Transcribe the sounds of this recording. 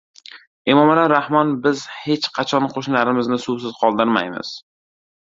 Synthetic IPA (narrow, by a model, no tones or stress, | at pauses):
emɒmalaɾahmɒnbɪzhe̞t͡ʃqʰɑt͡ʃʰɒnqʰoʃnlaɾɪmɪznɪsuws̬ɪzqʰɒlˠd̪ɪɾma̰jmɪ̰z̥